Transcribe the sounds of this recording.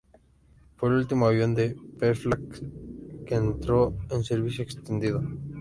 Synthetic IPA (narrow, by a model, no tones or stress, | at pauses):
poelult̪imoaβjond̪epeɾflak | keːnt̪ɾoenseɾβisjoekst̪end̪iðo